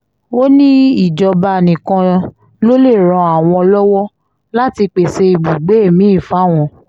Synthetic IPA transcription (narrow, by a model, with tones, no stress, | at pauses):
o˦nĩ˦i˦˨d͡ʒɔ˧ba˧˨nĩ˨kã˧ | lo˦le˦˨ɾ̃ɔ̃˧a˨w̃ɔ̃˧lɔ˦wɔ˦ | la˦ti˧k͡pe˨se˧i˨bu˨ɡ͡be˨˦e˦˨mĩ˨˦i˦˨fa˨˦˨w̃ɔ̃˧˨